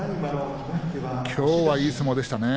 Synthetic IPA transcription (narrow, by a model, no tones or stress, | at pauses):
kʲʰo̞ːβaiːt͡sɨmo̞d̪e̞ɕi̥t̪ane